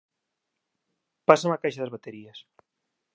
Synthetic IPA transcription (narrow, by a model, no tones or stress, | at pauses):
pasanakajʃaðezβat̪eɾies